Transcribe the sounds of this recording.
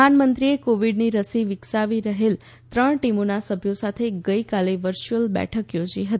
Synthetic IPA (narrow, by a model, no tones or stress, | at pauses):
anmənt̪ɾiekoʋiɖniɾəsiʋɪksaʋiɾəɦel | t̪ɾəɳʈimonasəbʱjosat̪ʰeɡəjkaleʋəɾt͡ʃuəlbɛ̰ʈʰəkjod͡ʒiɦət̪i